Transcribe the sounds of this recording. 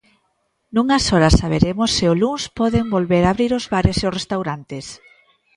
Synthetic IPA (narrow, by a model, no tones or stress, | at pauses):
nuŋasɔɾasaβ̞eɾemosːɪʊluŋspɔðembolβeɾaːβɾiɾozβaɾeseʊsrest̪awɾant̪es